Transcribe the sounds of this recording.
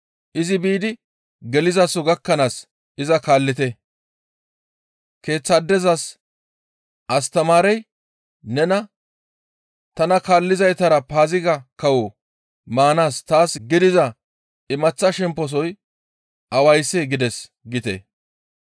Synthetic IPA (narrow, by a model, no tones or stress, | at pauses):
ʔɪzɪbiːd̪ɪ | ɡɛlɪzasɔɡɐkːɐnaːs | ʔɪzɐkaːlːɪt̪̬ɛ | ke̞ːt͡sːɐd̪ːɛzɐs | ʔɐst̪ɐmaːɾɛj | nɛnɐ | t̪ɐnɐkaːlːɪzɐjt̪ɐɾɐpaːzɪɡɐkɐwɔ | maːnaːst̪aːsɡɪd̪ɪzɐ | ɪmɐt͡sːɐʃɛmpːɔs̬ɔj | ʔɐwɐjsːeɡɪd̪ɛs | ɡɪt̪ɛ̰